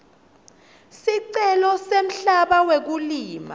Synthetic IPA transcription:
siǀɛlɔsem̩ɬaɓawek̬uliːma̰

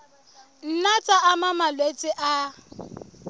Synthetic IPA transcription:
n̩nat͡sʼaʔamamalwet͡sʼɪʔa

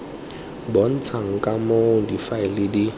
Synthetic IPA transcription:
bɔn̩t͡sʰaŋ̩kʼamodifaɪlɪdi

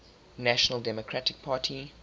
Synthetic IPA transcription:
næʃənəlˠdɛmɔkʰɹ̥atɪk̚pʰaːtʰi

